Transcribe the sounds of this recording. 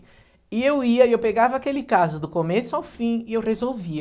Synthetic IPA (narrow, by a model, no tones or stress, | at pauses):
ɪewiɐɪewpeɡavɐakelɪkazʊd̪ʊkomesʊawfĩɪewʁezowvi